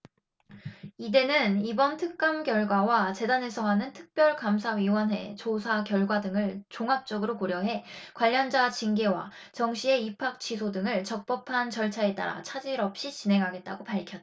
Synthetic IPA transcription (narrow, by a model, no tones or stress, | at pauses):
ide̞nɯnibʌntʰɯk̚k͈amkjʌɭɡwawat͡ɕe̞danɦe̞sʰʌɦanɯntʰɯ̥k̚p͈jʌɭkamsʰawɥiwʌnɦwe̞̰t͡ɕosʰakjʌɭɡwadɯŋɯɭt͡ɕoŋɦap̚t͡ɕ͈ʌɡɯɾokoɾjʌɦe̞kwaʎːʌnd͡ʑat͡ɕinɡe̞wa̰ | t͡ɕʌŋɕʰie̞ipʰak̚t͡ɕʰisʰodɯŋɯɭt͡ɕʌk̚p͈ʌpʰant͡ɕʌɭt͡ɕʰae̞t͈a̰ɾa̰t͡ɕʰad͡ʑiɾʌp̚ɕ͈it͡ɕinɦe̞ŋɦaɡe̞t̚t͈a̰ɡopaɭkʰjʌt͈ːa